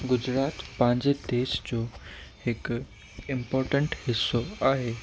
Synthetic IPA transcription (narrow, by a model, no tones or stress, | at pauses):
ɡʊd͡ʑɾat̪pãɲd͡ʑed̪esd͡ʑo | ek | impɔɾʈəɳʈhɪsːoaɦe